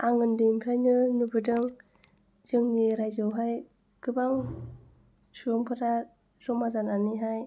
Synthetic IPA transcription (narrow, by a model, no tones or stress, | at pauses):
aŋɯndɯmpʰajnɯnubɯdɯŋ | zɯŋniɾajzɯwɦaj | ɡ̥ɯbaŋ | suɔŋpʰɯɾa | sɔmazananiɦaj